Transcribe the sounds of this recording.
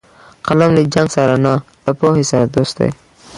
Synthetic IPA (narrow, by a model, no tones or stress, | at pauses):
qalamled͡ʒaŋɡsaɾanɑlapohesaɾad̪ost̪̚d̪a̰j